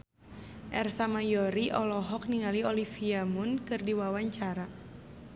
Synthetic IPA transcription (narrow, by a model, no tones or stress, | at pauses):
ʔɛrsamajɔɾiʔɔlɔɦɔk̚niŋaliɔlifiamʊnkɨrdiwawaɲt͡ʃaɾa